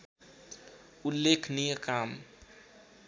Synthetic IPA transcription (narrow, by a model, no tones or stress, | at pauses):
ulːekʰnijəkaːm